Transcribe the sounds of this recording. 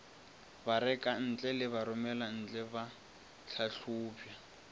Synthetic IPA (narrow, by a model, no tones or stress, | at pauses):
baɾɛkʼan̩t͡ɬʼɛlɪβaɾʊmɛlan̩t͡ɬʼɛba | ɬʰaɬuːpʰja